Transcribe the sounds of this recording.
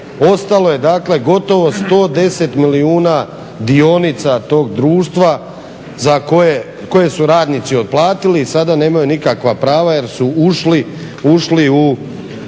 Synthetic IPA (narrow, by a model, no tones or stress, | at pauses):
o̞st̪alo̞je̞d̪aːkle̞ɡo̞t̪o̞ʋo̞st̪o̞ːd̪e̞se̞t̪miliuːna | d̪io̞nit̪sat̪o̞ːɡd̪ɾuːʃt̪ʋa | zakoje | ko̞je̞suɾaːd̪nit̪sio̞d̪̚plˠaːt̪ilisad̪ane̞ːmajunikakʋapɾaːʋaje̞ɾsuuʃli | uʃliu